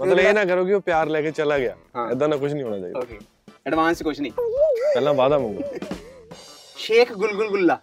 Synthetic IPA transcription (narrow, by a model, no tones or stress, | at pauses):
mət̪ləeːnãːkəɾoːkɪoːpjaːɾlɛːkeːt͡ʃəlaːɡɪja̰ːɛd̪ãːnãːkʊt͡ʃʰnĩɦoːñaːt͡ʃaːḭːe | əɖʋãːnskʊt͡ʃʰnĩːpɛːlãːbaːd̪aːmə̃ŋɡo | ʃeːkʰɡʊlɡʊlɡʊlːaː